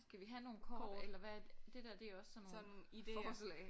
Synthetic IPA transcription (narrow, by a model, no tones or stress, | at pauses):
sɡ̥æʋiɦæno̝ːn̩kʰɒ̥elɐʋæ̥d̥e̝d̥æɐd̥e̝ɒ̽sɒ̽mnoːnːnid̥eɒslɛɪ